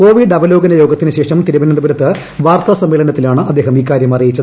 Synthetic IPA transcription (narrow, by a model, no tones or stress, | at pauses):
ko̞ːʋiɖɐbɐlo̞ːɡɐnɐjo̞ːɡɐt̪ːinɨɕe̞ːʂɐmt̪iɾubɐnɐnd̪ɐbɐɾɐt̪ːɨ | ʋaːrt̪ɐsɐmːeːɭɐnɐt̪ːilaːɳɨʔɐd̪ːe̞ːɦɐmiːk̬ːaːɾjɐmɐrijit͡ɕːɐð